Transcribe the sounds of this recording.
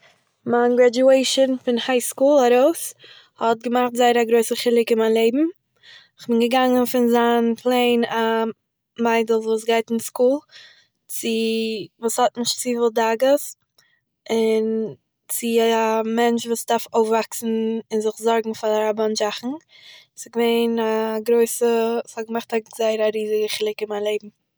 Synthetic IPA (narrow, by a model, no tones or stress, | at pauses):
manɡɾad͡ʒueɪʃɔnfɪnhaɪskuːlˠaɾoʊs | hɔt̚ɡəmaχtzaɪəɾaɡɾoɪsəχɪlˠɪkɪnmaɪnlˠeɪbm̩ | ɪχbɪnɡəɡaŋənfɪnzaːnpʰlˠeɪna | maɪdəl̩ˠsvuːsɡaɪtɪnskuːlˠ | t͡sɪvuːshɔtnɪʃt͡sivɪlˠdaɡəs | ɪn | t͡sɪamɛnt͡ʃvuːsdaɾfoʊfvaksn̩ɪnzɪχzɔɾɡŋ̩faaɾaband͡ʒaχn̩ | sɔɡəveɪnaɡɾoɪsəshɔɡəmaχtazaɪəɾaɾiːzɪɡəχɪlˠɪkɪnmaɪnlˠeɪb̚m̩